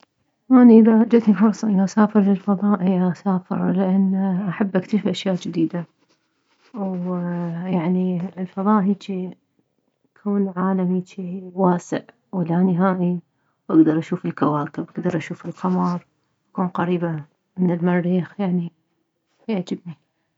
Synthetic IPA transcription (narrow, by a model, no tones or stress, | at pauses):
wʔaniʔɪðaad͡ʒat̪nixʊɾsˤʔɪnʔasaːfɨɾlɪlfɑðˤɑːʔiaʔasaːfɪ̰ɾˤlɪʔanːʔaħabːʔakt̪ɪʃfʔaʃjaːʔd͡ʒɪd̪iːd̪a | w | jaʕnilfɑðˤɑːʔɦiːt͡ʃi | kʰuːnʕaːlamit͡ʃiwaːsɪ̰ʕ | wɪlanɪɦaːʔi | wʔaɡd̪ɑɾˤʔaʃuːfɪlkawaːkɪbʔaɡd̪ɑɾˤʔaʃuːfɪlqɑmɑɾˤ | ʔakuːnqɑɾiːba | mɪnɪlmɑɾˤːiːxjaʕni | jaʕd͡ʒɪbni